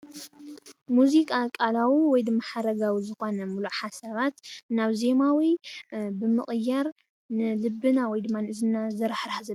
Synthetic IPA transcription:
muzikʼakʼalawiwɔjd̪ɨmːaħaɾɐɡawizɨxo̞nɐmuluħasɐβat̪naβze̞mawibɨmɨχʼɨjaɾ | nɨlɨbːɨnawɔjd̪ɨmːanɨʔɨzɨnazɐɾħɾħazɨ

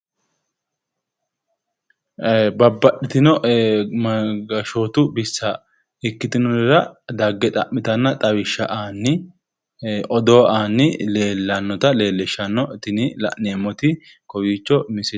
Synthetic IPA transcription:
bɐbːɐɗɪt̪ɪnɔʔmɐɡɐʃoːt̪ʊbɪsːɐ | ɪkːɪt̪ɪnɔdɾɐd̪ɐɡːɛt̪ʼɐ̰ʔmːɪt̪ɐnːɐt̪ʼɐwɪʃːɐ̰ʔaːnːɪ | ʔɔd̪oːʔaːnːɪleːlːɐnːɔt̪ɐle̞ːlːɛʃːɐnːɔʔt̪ɪnɪlɐ̰ʔneːmɔt̪ɪ | kɔwiːt͡ʃːɔmɪsɪ

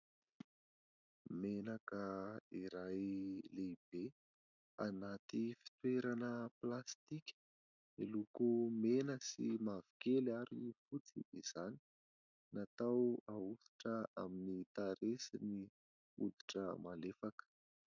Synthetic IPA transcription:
menakəiɾajleb̥e | a̰nat̪ifi̥t̪weɾanəplast̪ikʲə̥ | elukumenəsimav̥i̥kelaɾifut͡sḭdiz̥ani̥ | nat̪awausi̥ʈ͡ʂəaminit̪aɾesini | ṵd̪i̥ʈ͡ʂə̰malefakə̥

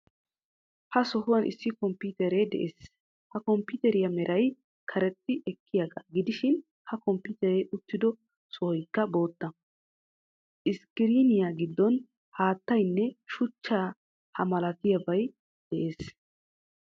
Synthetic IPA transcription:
hɐsɔhʊwɐnʔɪ̰sːɪkɔmpit̪ɛɾɛd̪ɛʔeːs | hɐkɔmpːɪt̪ɛɾɪjɐmɛɾʔɐj | kʰɐɾɛt̪ːɪʔɛkʰːɪjaɡɐ̰ɡɪd̪ɪʃɪn | hɐkɔmpːʊt̪ɛɾɛʔʊt̪ːɪd̪ɔ | sɔhɔjkːɐbo̞ːt̪ːɐ | ʔɪskɪɾinɪjaɡɪd̪ːɔn | haːt̪ːɐjnːɛʃʊt͡ʃːaː | hɐmɐlɐt̪ɪjɐbɐj | d̪̥ɛʔe̞ːs

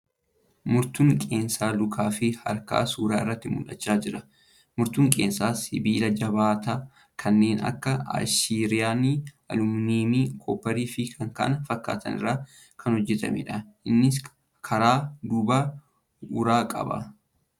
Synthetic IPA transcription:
mʊɾt̪ʊŋkʼe̞ːnsaːlʊkʰaːfɪhɐ̰ɾka̰ːsuːɾaːɪrːɐt̪ːɪmʊ̰ᶑɐt͡ʃːaːd͡ʒɪɾɐ | mʊɾt̪ʊŋkʼe̞ːnsaːsɪbiːlɐd͡ʒɐbaːt̪a | kʰɐnːe̞ːnɐ̰kːɐa̰ʃiːɾɪjaːniʔɐ̰lʊmniːmiːkʰoːpːɐɾiːfɪkʰɐŋka̰ːʔɐnfɐkːa̰ːt̪ʰɐ̰nɪ̰rːaː | kʰɐnhɔd͡ʒːɛt̪ɐ̰mɛ̰ᶑɐʔɪnːɪs | kʰɐɾaːd̪ʊba | ʊɾaːkʼɐ̰bɐ̰

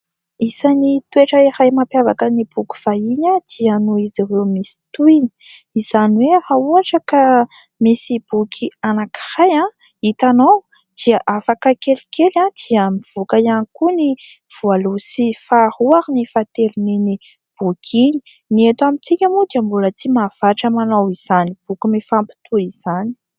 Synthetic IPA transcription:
isanit̪ueʈ͡ʂəiɾajmapjavakənib̥uku̥v̥aiɲad̪̥ianuiziwewmisi̥t̪uni̥ | izanwehauaʈ͡ʂaka | misib̥ukʰianaki̥rajã | it̪anow | d̪̥iaʔafakəkelikelad̪̥iəmiv̥ukajanikuni | v̥ualusifahuaɾinifat̪elunini | b̥ukʰini̥ | niet̪amit͡sikʲəmud̪iambulət͡simav̥aʈ͡ʂəmanowiz̥anib̥ukimifampi̥t̪uiz̥ani̥

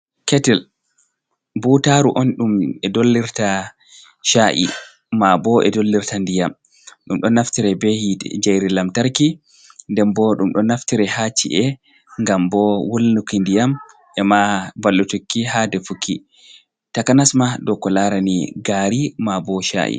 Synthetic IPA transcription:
kɛtɛl | butaɾuʔɔnɗumɛdolːiɾta | ʃaʔḭ | mabɔʔɛ̰dolːiɾtandijam | ɗumɗɔnaftiɾɛbehid͡ʒajɾilamtaɾki | ndɛmbɔɗumɗɔnaftiɾɛhat͡ʃːḭʔɛ | ŋɡambɔwolːukindijam | ʔɛmabalːutukːiɦadɛfukʰːi | takanasmaɗɔkɔlaɾaniɡaɾimabɔʃa̰ʔḭ

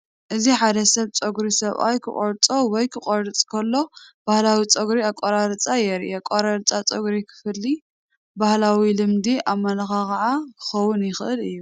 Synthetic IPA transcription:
ʔɨziħad̪ɐsɐβt͡sʼɐɡɾisɐβʔa̰jkʰɨ̰kʼoɾt͡sʼowɔjkʰɨqʼoɾɨt͡sʼkʰɐlːo̞b̥ahlawit͡sʼɐɡɾiakʼːoɾaɾt͡sʼajɛɾʔɛkʼoɾaɾɨt͡sʼat͡sʼɐɡɾikʰɨ̥fɨlːi | bahlawilɨmd̪iʔaβmːɐlɐxakɐʕakʰɨ̥xɐwʊnjɪxɨʔɨlɨjːu

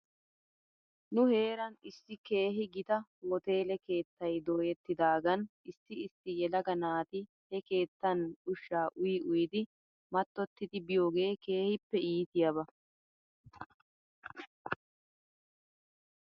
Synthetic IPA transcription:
nʊhe̞ːɾɐnɪsːɪke̞ːɦɪɡɪt̪ɐwɔt̪e̞ːlɛke̞ːt̪ːɐjd̪oːjɛt̪ːɪd̪aːɡɐnɪsːɪɪst̪ːɪjɛlɐɡɐnaːt̪ɪ | hɛke̞ːt̪ːɐnʊʃːaːʔʊjɪʔʊjɪd̪ɪ | mɐt̪ːɔt̪ːɪd̪ɪbɪjo̞ːɡe̞ːke̞ːhɪpːɛiːt̪ɪjɐbɐ

